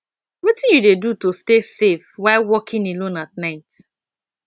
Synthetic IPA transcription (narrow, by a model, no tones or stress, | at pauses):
witɪ̃njudedutostesefwaɪlwɔkʰĩnilõnat̚naɪt